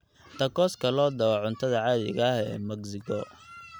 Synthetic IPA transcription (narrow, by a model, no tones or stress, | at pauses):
t̪ʰɐkɔːskʰɐlɔːd̪ɐwɐʕʊnt̪ʰɐðɐʕɑːðɪ̰ɣɐhɛ̰ːmɛɡsɪkʰɔ